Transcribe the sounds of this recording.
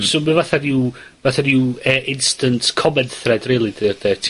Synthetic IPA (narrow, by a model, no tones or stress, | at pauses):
somavaθadɪw | vaθadiwəʔɪnstəntʰkʰɔmɛnθrɛdrɛːlˠidd̥ɛtʰ